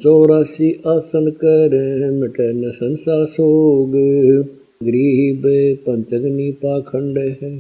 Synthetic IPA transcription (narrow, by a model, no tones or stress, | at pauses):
t͡ʃɔːɾaːsiːʔaːsənkɛɾẽmɛʈɛːnəsənsaːsoːɡe | ɡɾiːɦibeːpənt̪əɡniːpaːkʰəɳɖeːɦɛ